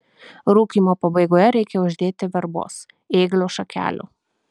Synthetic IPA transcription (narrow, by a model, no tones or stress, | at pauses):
ɾuːkimɔpɔbɛɡɔjɛɾɛːkɛɔʒd̪eːt̪ɪʋɛɾbo̰s | eːɡloʃɐkʰʲæ̰ːlṵ